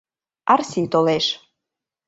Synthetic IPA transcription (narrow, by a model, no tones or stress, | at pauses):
arsʲit̪oleʃ